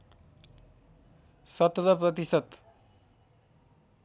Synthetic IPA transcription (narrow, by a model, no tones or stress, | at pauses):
sʌt̪lʌprʌt̪isʌt̪